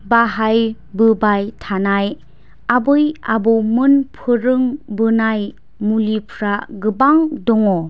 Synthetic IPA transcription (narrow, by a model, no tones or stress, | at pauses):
baɦaj | bɯbajtʰanaj | abɯjabɔmɯnpʰɯɾɯŋbɯnaj | mulipʰɾaɡɯbaŋdɔŋɔ